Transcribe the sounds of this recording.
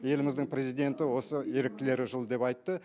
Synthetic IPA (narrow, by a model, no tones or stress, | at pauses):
je̞lɪmɪzd̪ɪŋpɾʲe̞zijd̪e̞nt̪ɪwo̞səje̞ɾɪk̚t̪ʲɪle̞ɾɪʒəlˠd̪e̞pɑjt̪ːə